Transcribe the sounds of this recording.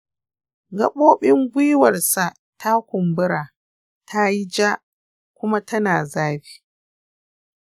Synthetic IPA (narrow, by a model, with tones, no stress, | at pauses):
ɡɐ̰˦ɓoː˦ɓɪ˦ŋɡʷʊ˦wɐ˨rsa˨ʔ | ta˦kʷʊ˨mbʊ˦ɾaː˨ | tʰa˦ji˦d͡ʒa˦ | kʷʊ˦ma˦tɐ˦naː˨zaː˦ɸi̥ː˦